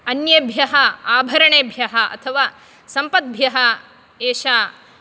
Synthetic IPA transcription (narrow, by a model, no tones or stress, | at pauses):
ɐnjɐbʱjɐɦɐaːbʱɐɾɐɳeːbʱjɐɦɐʔɐ̰t̪ʰɐʋaː | sɐmpɐt̪̚bʱjɐɦɐ | eːʃaː